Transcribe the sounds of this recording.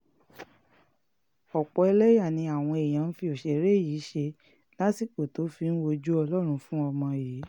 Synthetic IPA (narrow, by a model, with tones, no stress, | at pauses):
ɔ˨k͡pɔ˨˧e˧lɛ˦ja˦˨nĩ˧a˨w̃ɔ̃˧e˨j̃ã˨˦n̩˦fi˧o˨ʃe˨ɾe˦˨ji˨˦ʃe˧ | la˦si˦˨k͡po˨to˨˦fi˧ñ̩˦wo˧d͡ʒu˦ɔ˧lɔ˦ɾ̃ũ˧fũ˦ɔ˧mɔ̃˧˨ji˨˦